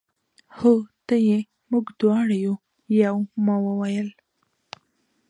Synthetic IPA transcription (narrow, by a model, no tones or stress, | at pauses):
hot̪əje | muɡd̪wɑɽaju | jawmɑwəwajəl